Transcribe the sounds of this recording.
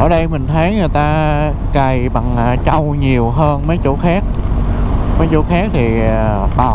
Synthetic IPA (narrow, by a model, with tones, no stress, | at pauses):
ʔəː˧˩ɗə˧jmï˨˩ŋ̟t̪ʰə˨˦jŋɨ˨˩jt̪aː˧ | ka˨˩jɓa˨˩ŋː˨˩t͡ɕa˧wɲi˨˩əwɦəː˧nmə˨˦jt͡ɕu˧˥xaː˦˥k̚ | mə˨˦jt͡ɕo˧˥xaː˦˥k̚t̪ʰi˨˩ɓaː˨˩